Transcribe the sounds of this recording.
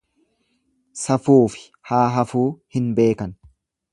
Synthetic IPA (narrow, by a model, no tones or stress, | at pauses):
sɐfuːfɪ̥ | haːɦɐfuːhɪnbe̞ːkɐn